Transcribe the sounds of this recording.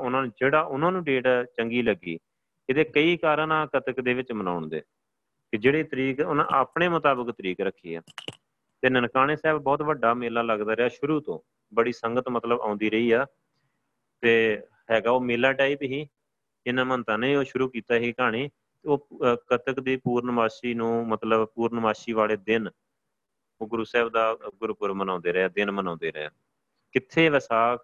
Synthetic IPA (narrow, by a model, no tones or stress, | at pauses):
ʊnãːnːd͡ʒeːɽaːʔʊnãːnũːɖeːʈaːt͡ʃəŋɡiːləɡḭː | ɪt̪eːkəiːkaːɾə̃nãːkət̪əkd̪eːʋɪt͡ʃməna̰ːʊɳd̪ḛː | kɪd͡ʒeːɽeːt̪əɾiːkʊnã̰ːʔa̰ːpɳeːmʊt̪aːbəkt̪əɾiːkɾəkʰːiːa̰ː | t̪eːnənkaːñeːsɛːbbɔːt̪ʋəɖaːmeːlaːləɡd̪aːɾɪaːʃʊɾuːt̪õ̰ː | bəɽiːsəŋɡət̪mət̪ləbã̰ːnd̪iːɾəiːaː | t̪eː | ɦɛːɡaːoːmeːlaːʈaːiːpɦiː | ɪnãːmənt̪ãːnẽːoːʃʊɾuːkiːt̪aːɦiːkaːɳiː | t̪eoːkət̪əkd̪iːpuːɾnəʋaːʃiːnũːmət̪ləbpuːɾnəʋaːʃiːʋaːleːd̪ɪn | oːɡʊɾuːsɛːbd̪aːɡʊɾpʊɾmənãːnd̪eːɾəaːd̪ɪnmənãːnd̪eːɾəa̰ː | kɪt̪ʰːeːʋəsaːk